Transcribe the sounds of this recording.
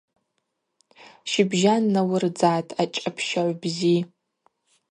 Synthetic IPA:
ʃɪbʒanːawɨrd͡zaːtʼʰat͡ʃʼapʰʃaʕʷbzi

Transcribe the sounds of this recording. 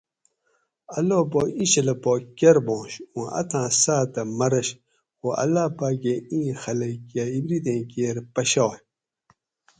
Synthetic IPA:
ɐloːboːĩɕɐlɐpoːkʲɐɾbõːɕũʔɐ̰t̪ãːsaːt̪ɐmɐɾɐɕ | xuɐ̰lːaːpaːɡeĩːxɐlɐkaibɾid̪ẽːkeːɾpɐɕawj

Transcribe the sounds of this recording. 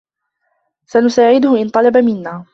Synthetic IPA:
sanʊsaːʕɪd̪ʊhʊʔɪnt̪ˤɑlɑbamɪnːaː

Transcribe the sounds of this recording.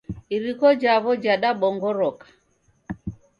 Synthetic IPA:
iɾikɔd͡ʒaβɔd͡ʒaɗaɓɔŋɡɔɾɔkḁ

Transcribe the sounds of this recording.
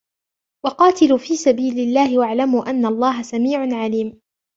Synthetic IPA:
wɑqɑːt̪ɪluːfiːsabiːlɪlːaːhɪwaʕlamuːʔanːaʔlˤːɑːɦasamiːʕʊnʕaliːm

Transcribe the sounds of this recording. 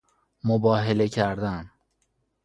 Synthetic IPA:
mobɒːɦele̞cʰæɾd̪æn

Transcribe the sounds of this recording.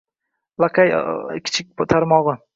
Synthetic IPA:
lˠaqʰʲajkʲʰɪ̥t͡ʃʰɪk̚ʲt̪ʰaɾmɒʁɨ

